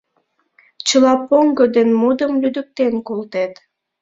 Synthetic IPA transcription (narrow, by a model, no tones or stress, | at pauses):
t͡ɕəlɑpoŋɡod̪enmud̪əmlyd̪ək̚t̪enkolt̪et̪